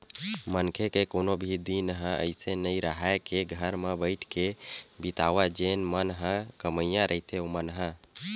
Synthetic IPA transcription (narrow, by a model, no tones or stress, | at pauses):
mənkʰekekonobʱid̪inɦə̃ʔə̰ɪsenəjɾəɦaekeɡʱəɾmebəɪʈʰkebit̪awad͡ʒenmənɦə̃kəməjãɾʔəɦit̪eomənɦə̃